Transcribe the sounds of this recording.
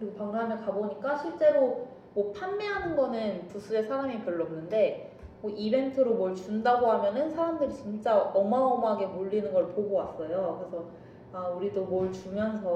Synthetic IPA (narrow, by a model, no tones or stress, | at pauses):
kɯɾiɡopaŋnɦamʌkaboɲik͈aɕʰiɭt͡ɕ͈e̞ɾo | mʌpʰanmeɦanɯnɡʌnɯnpus͈ʰue̞sʰaɾamipjʌɭːʌmnɯnde̞mʌʔibe̞ntʰɯɾomwʌɭt͡ɕundaɡoɦamjʌnɯnsʰaɾamdɯɾit͡ɕint͡ɕ͈aʌmaʌmaɡe̞moʎːinɯnɡʌɭpoɡowas͈ʌjokɯɾe̞sʰʌ | auɾidomʌɭt͡ɕumjʌns̬ʰʌ